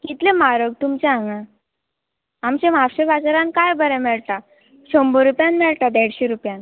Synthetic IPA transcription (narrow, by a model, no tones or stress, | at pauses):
kit̪lemaɾəɡ̚t̪umt͡ɕeaŋa | amt͡ɕẽmafɕebat͡sɾãnkajbʱəɾɛ̃mɛɭt̪a | ɕombəɾupjanmɛɭʈ̪ad̪eɽɕeɾupjan